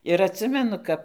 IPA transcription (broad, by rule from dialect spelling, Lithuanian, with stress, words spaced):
ɪr ɐtʲˈsʲɪmʲɛnʊ ˈkɐp